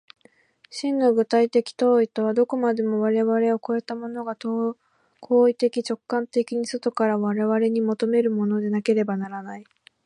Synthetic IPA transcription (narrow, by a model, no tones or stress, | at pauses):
ɕĩnːo̞ɡɯ̟t̪ait̪e̞kʲi̥t̪o̞ːit̪o̞β̞ad̪o̞ko̞mad̪e̞mo̞βaɾe̞βaɾe̞o̞ko̞e̞t̪amo̞no̞ɡat̪o | kʰo̞ːit̪e̞kʲit͡ɕo̞kːãnt̪e̞kʲiɲ̟iso̞t̪o̞kaɾaβaɾe̞βaɾe̞ɲ̟imo̞t̪o̞me̞ɾɯ̟mo̞no̞d̪e̞nake̞ɾe̞banaɾanai